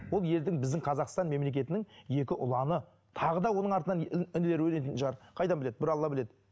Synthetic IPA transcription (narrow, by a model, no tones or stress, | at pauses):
wo̞lˠje̞ld̪ɪŋbɪzd̪ɪŋqʰɑzɑqst̪ɑnme̞mle̞k̬ʲe̞t̪ɪnɪŋje̞kʲɪʔʊlˠɑnə | t̪ʰɑʁəd̪ɑwo̞nəɴɑɾt̪ənɑnɪnɪle̞ɾɪwɵne̞t̪ɪnʃʁɑɾqʰɑjd̪ɑnbɪle̞d̪̚bɪɾɑlˠːɑbɪle̞d̪ɪ